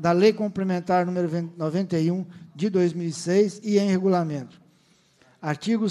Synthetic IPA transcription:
d̪ɐlejkõmplemẽnt̪aɾnũmeɾʊvnovẽnt̪ejũd͡ʒɪd̪ojzmiwisejsɪẽj̃heɡulamẽnt̪ʊ̥ | aɾt͡ʃiɡʊ

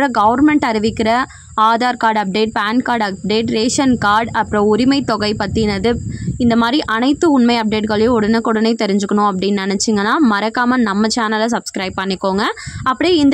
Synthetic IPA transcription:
ɾɐɡɐʋɐɾmɛɳʈɐɾɪʋɪkːɪɾɐ | aːðaːɾkaːɾɖɐp̚ɖeːʈ̚paːnkaːɾɖɐp̚ɖeːʈɾeːʂɐnkaːɾɖɐpːɯɾõʊɾɪmɐɪt̪ːɔɣɐɪpɐt̪ːɪnɐðɯɪnd̪ɐmaːd̪ɾiʔɐnɐɪt̪ːɯʊɳmɐɪɐp̚ɖeːʈɣɐɭɐjʊ̃ʊɽɐnɐkːɔɽɐnɐɪt̪ːɛɾɪɲd͡ʒɯkːɐɳʊ̃ɐp̬ːɐɽɪnːnɪnɛt͡ʃːɪŋɡɐnːaːmɐɾɐkːaːmɐnɐmːɐt͡ʃaːnɐlɐs̬ɐbskɾɐɪb̚pɐɳːɪkːoːŋɡɐɐpːɐɽijɪnd̪

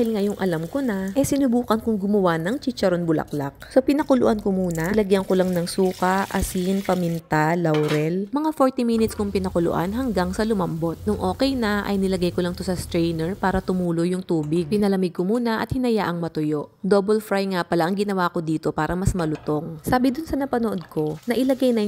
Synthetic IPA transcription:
hɪlŋajʊŋʔɐlamkonɐʔɛsɪnʊbuːkɐnkʊŋɡʊmɐwanɐŋt͡ʃit͡ʃɐɾonbʊlɐ̰kla̰k̚sopɪnɐkʊlʊ̰ʔankomuːnɐlɐɡjɐnkolɐŋnɐŋsuːkɐʔʔɐsinpɐmint̪alɐwɾɛlmɐŋafo̞ɹt̪iminɪt̪skoŋpɪnɐkʊlʊ̰ʔa̰nɦɐŋɡaŋsɐlʊmɐmbo̞t̪̚nʊŋʔo̞ːkɛjnɐʔɐ̰jnɪlɐɡajkolɐŋt̪osɐst̪ɾɛjnɛɹpaːɾɐt̪ʊmuːlojʊŋt̪uːbɪɡ̚pɪnɐlɐmɪɡ̚komuːnɐʔɐt̪̚hɪnɐjaʔɐŋmɐt̪ʊjo̞ʔd̪oːbɛlfɾajŋapɐlaʔɐŋɡɪnɐwako̞d̪iːt̪o̞paːɾɐmɐsmɐlʊt̪o̞ŋsaːbɪd̪ʊnsɐnɐpɐnoʔod̪̚ko̞nɐʔɪlɐɡajnɐ

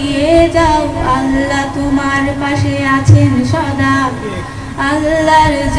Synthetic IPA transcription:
ied͡ʒawalːat̪omaɾpaʃeat͡ɕʰenʃɔd̪a | alːaɾd͡ʑ

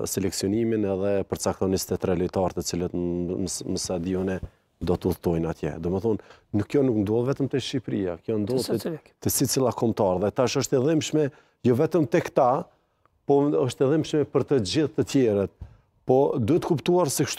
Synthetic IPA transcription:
sɛlɛksiɔniminɛðɛpəɾt͡sak̚t̪ɔnist̪ɛt̪ɾɛlit̪aɾt̪ət͡silət̪ | məsad̪iunɛ | d̪ɔt̪əuθt̪ɔjnat̪jɛ̰d̪ɔmɛθɔnːukːjɔnuknd̪ɔlˠvɛt̪əmt̪ɛʃipɾia̰kjɔnd̪ɔlˠt̪ɛsit͡silˠakɔmt̪aɾðɛt̪aʃəʃt̪ɛðimʃmɛ | jɔvɛt̪əmt̪ɛkt̪a | pɔəʃt̪ɛðimʃmɛpəɾt̪əd͡ʑiðt̪ːət̪jɛɾət̪̚ | pɔd̪uɛt̪ə̥kupt̪uaɾsɛkʃt̪

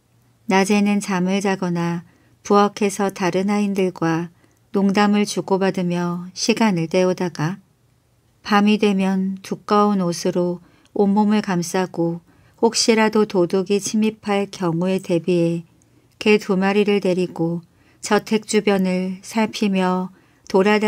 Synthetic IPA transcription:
nad͡ʑe̞nɯnt͡ɕamɯɭd͡ʑaɡʌna | puakʰe̞sʰʌtaɾɯnaindɯɭɡwa | noŋdamɯɭt͡ɕuɡobadɯmjʌɕʰiɡanɯɭt͈e̞odaɡa | pamidwe̞mjʌntuk͈aunosʰɯɾo | omːomɯɭkams͈aɡo | hok̚ɕ͈iɾadotoduɡit͡ɕʰimipʰaɭkjʌŋue̞te̞bie̞ | ke̞tumaɾiɾɯɭne̞ɾiɡo | t͡ɕʌtʰe̞k̚t͡ɕ͈ubjʌnɯɭsʰaɭpʰimjʌ | toɾad

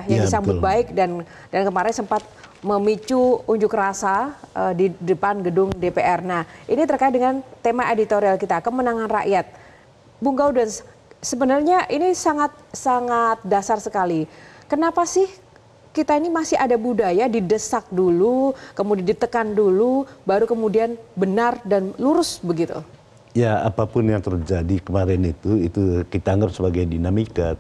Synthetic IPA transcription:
jaŋdisambʊt̪̚baɪk̚dan | dankəmaɾɛnsəmpat̪̚məmit͡ʃuuɲd͡ʒʊkrasaʔədidəpanɡədʊŋdepeʔɛrnahʔinit̪ərkaɪt̪̚dəŋant̪emaʔedit̪oɾialkit̪akəmənaŋanra̰ʔjat̪̚ | buŋɡawdans | səbənarɲaʔinisaŋat̪̚saŋat̪̚dasarsəkali | kənapasɪh | kit̪ainimasɪɦadabudajadidəsak̚dulukəmudiandit̪əkandulubaɾukəmudianbənardanluɾʊsbəɡit̪ṵ | jaa̰papʊnjaŋt̪ərd͡ʒadikəmaɾɛnit̪uit̪ukit̪aːŋɡapsəbaɡajdinamika

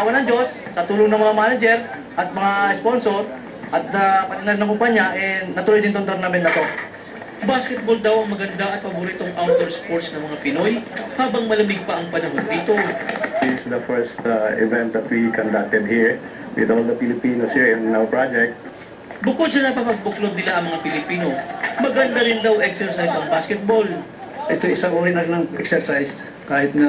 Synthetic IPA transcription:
awɐnɐŋd͡ʒo̞sːɐt̪uːloŋnɐŋmɐŋamaːnɐd͡ʒɛɾ | ʔɐt̪̚mɐŋaɛspo̞nsoɾ | ʔɐt̪̚ɐpɐt̪ɪnalnɐŋkʊmpaɲːaʔɛnɐt̪ʊlojd̪ɪnt̪ont̪oɾnamɛnnɐt̪o̞ | baːskɛt̪̚bold̪awʔɐŋmɐɡɐnd̪aʔɐt̪̚pɐbʊɾiːt̪oŋʔawnt̪oɹspoɹsnɐŋmɐŋapɪno̞jhaːbɐŋmɐlɐmɪɡ̚pɐʔɐŋpɐnɐɦod̪d̪iːt̪o̞hisd̪ɐfɛɹst̪ɪ̰vɛ̃nt̪ɔfwikɔ̃nd̪ak̚t̪ɛd̪̚hiɹ | wɪ̰d̪ɔld̪ɐfɪlɪpiːnosɛɹɪ̃nnawpɹad͡ʒɛk̚t̪̚ | bʊkod̪̚sɐnɐpɐpɐɡ̚bʊklot̪̚nɪlaʔɐŋmɐŋapɪlɪpiːno̞mɐɡɐnd̪aɾɪnd̪awʔɛksɛɹsajsɐŋbaskɛt̪̚bo̞l | ʔɛt̪oɪsaŋuɾɪnɐɡnɐŋʔɛksɛɹsajs | kaːhɪt̪̚nɐ

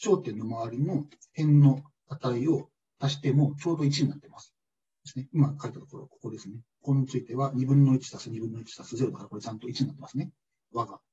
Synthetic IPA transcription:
ɕo̞ːt̪ẽ̞nːo̞maβaɾʲino̞ | hẽ̞nːo̞ | at̪aio̞ | t̪aɕi̥t̪e̞mo̞t͡ɕo̞ːd̪o̞it͡ɕiɲinat̪ːe̞masɨ̥ | d̪̥e̞sɨ̥neimakaɾit̪at̪o̞koɾo̞ko̞ko̞d̪e̞sɨne̞ | ko̞not͡sɨit̪e̞βaɲ̟ibɯ̟̃nːo̞it͡ɕi̥t̪asɨɲ̟ibɯ̟̃nːoit͡ɕi̥sasɨzeɾd̪akaɾako̞ɾet͡ɕãnt̪o̞it͡ɕiɲinat̪ːemasɨne | βaɡa

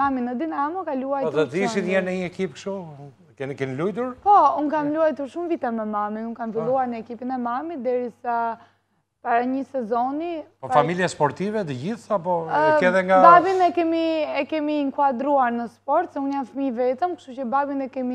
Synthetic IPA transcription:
aminəd̪inamɔkaluajt̪ɛt̪iʃinjɛɾnəɲəɛkipkʃt̪u | kɛnikɛnilujt̪uɾpɔunkamluajt̪uɾʃumvit̪ɛmɛmamiunkamfillˠuaɾnəɛkipinɛmamid̪ɛɾisa | paɾaɲəsɛzɔnipɔfamiljaspɔɾt̪ivɛt̪̬əɟiθapɔɛðɛŋɡabavinɛkɛmiɛkɛmiŋkwad̪ɾuaɾnəspɔɾt̪sɛunjanfəmivɛt̪əmkʃt̪ucəbavinɛkɛmi

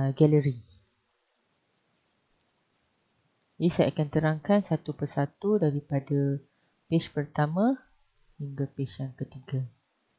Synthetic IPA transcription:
ɡɛləɾi | isaʔakant̪əɾaŋkansat̪upərsat̪udaɾipada | pet͡ʃpərt̪amã | hiŋɡapet͡ʃjaŋkət̪iɡa

